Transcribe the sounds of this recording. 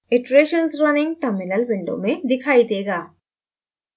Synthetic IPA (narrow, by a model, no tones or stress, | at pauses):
ɪʈɾeːʃənsɾɐnɪ̃ŋɡ̚ʈəɾmɪnəlʋɪ̃ɳɖo̰mẽd̪ɪkʰaːid̪eːɡaː